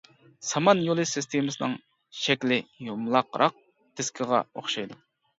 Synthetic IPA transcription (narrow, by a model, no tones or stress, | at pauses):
sɑmɑnjolˠɨsɪst̪ʰemɨsɨnɨŋ | ʃɛkʲlɪjomlˠɑqɾʔɑq̚ | t̪ʰɪskʲʰɪʁɑ̰oχʃɑjd̪u